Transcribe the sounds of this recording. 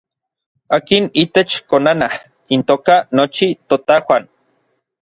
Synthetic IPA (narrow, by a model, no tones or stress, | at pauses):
aːkinit̪et͡ʃkonanah | int̪oːkanot͡ʃit̪ot̪awʷan